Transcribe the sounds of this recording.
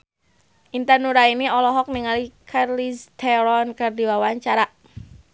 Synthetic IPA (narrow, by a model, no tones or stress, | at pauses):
ʔint̪anuɾainiɔlɔɦɔk̚niŋalikʰarlist̪ɛɾɔnkərdiwawaɲt͡ʃaɾa